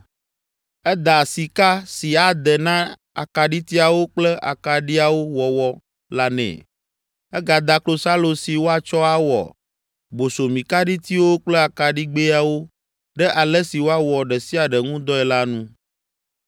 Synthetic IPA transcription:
ɛ˦d̪a˨si˨ka˦si˨a˨d̪ɛ˨nã˦ | a̰˨ka˨ɖi˦t̪i˦a˨wo˦k͡plɛ˦ʔa̰˨ka˨ɖi˦a˨wo˦wɔ˨wɔ˦ | la˦nɛ̰̃˨ | ɛ˦ɡa˨d̪a˨klo˦sa˦lo˨si˨wo˦a˨t͡ʃɔ˦a˦wɔ̰˨ | bo˨so˨mĩ˨ka˦ɖi˦t̪i˦wo˦k͡plɛ˦a˨ka˨ɖi˦ɡ͡be˦a˨wo˦ | ɖɛ˦ʔa˨lɛ˦si˨wo˦a˦wɔ˨ɖɛ˨si˦a˨ɖɛ˨ŋũ˦d̪ɔ˦ɛ˨la˦nũ˦

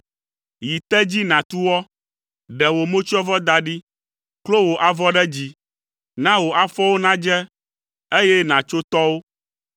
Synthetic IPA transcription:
ji˨t̪ɛ˦d͡ʑi˦nã˨t̪u˦wɔ˦ | ɖɛ˨wo˨mõ˦t͡ʃi˦ɔ˦vɔ˦d̪a˦ɖi˦ | klo˦wo˨ʔa˨vɔ˦ɖɛ˦d͡ʑi˦ | nã˦wo˨ʔa˨fɔ˦wo˦nã˦d͡ʒɛ˦ | e˦jɛ˦nã˨t͡ʃo˦t̪ɔ˦wo˦

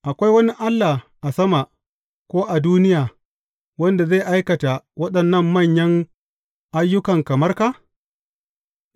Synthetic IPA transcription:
ʔa˨kʷa˦jwɐ˦ni˦ʔa˦lːa˨ʔa˨sɐ˦ma˨ʔ | kʷoː˦ʔa˨duː˦nɪ˦jaː˨ | wɐ˦nda˨ze˦˨ʔa˦jkɐ˨ta˨wɐ˦ɗɐ˨nːɐ˦mːɐ˦˨ɲjɐ˦ŋ | ʔa˦jːʊ˦kɐ˨ŋkɐ˨mɐ˦rkaː˦

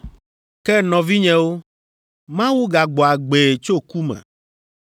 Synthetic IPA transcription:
kɛ˦nɔ̃˨vi˦ɲɛ̃˨wo˦ | mã˦wu˦ɡa˨ɡ͡bɔ˨a˨ɡ͡be˨t͡ʃo˦ku˦mɛ̰̃˨

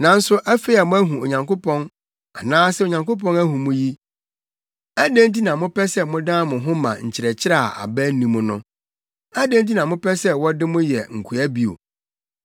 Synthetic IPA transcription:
nã˨n̩˦sʊ˦ʔæ˦fe˦a˨mʊ̃˦æ˦ɦũ˨o˨ɲã˨ŋko˦pʰɔ̃˦n | a˨nãː˦sɛ˦o˨ɲã˨ŋko˦p̬ɔ̃˦næ˦hũ˨mʊ̃˦ji˦ | æ˦dæ̃˦nt̬i˦nã˨mʊ̃˦pʰɛ˦sɛ˦mʊ̃˦dã˦mʊ̃˨ɦʊ̃˦mã̰˨ɲ̩˨t͡ɕʰɪ˨ɾɛ˨t͡ɕʰɪ˦ɾa˦˨a̰˨bɛ˦n˦nĩ˨mʊ̃˦nʊ̃˦ | æ˦dæ̃˦n˦t̬i˦nã˨mʊ̃˦pʰɛ˦sɛ˦wɔ˦dɪ˦mʊ̃˦jɛ˨ŋ̩˨kʰu˨æ˦bi˦o̰˨

